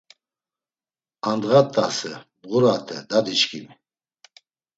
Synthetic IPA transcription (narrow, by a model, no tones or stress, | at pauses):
and̪ɣat̪ʰʼːasəbʁuɾat̪ʰɛ̰d̪ad̪it͡ʃkʰimi